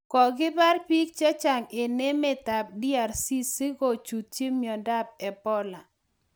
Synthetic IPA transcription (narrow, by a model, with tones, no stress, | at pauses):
kɔ˨ɡɪ˦ba˦rpi˦k̚t͡ʃa˦t͡ʃa˨ŋe˨ne˦mɛ˦ta˨p̚di˦a˨rsi˦si˦ɡo˨t͡ʃu˨t̚t͡ʃe˦mjɔ˨nda˦p̚ɛ˨pɔ˦la˨